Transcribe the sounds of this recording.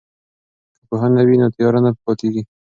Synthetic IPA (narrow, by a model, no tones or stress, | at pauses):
kəpoɦanawinot̪jɑɾanappɑt̪eɡi